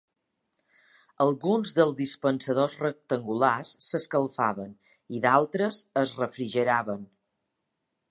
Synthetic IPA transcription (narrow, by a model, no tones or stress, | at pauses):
əlˠɣunzðəlˠzd̪ispənsəð̞ozrək̚t̪əŋɡulasːəskəlˠfaβən | iðalˠt̪ɾəzəzrəfɾiʒəɾaβən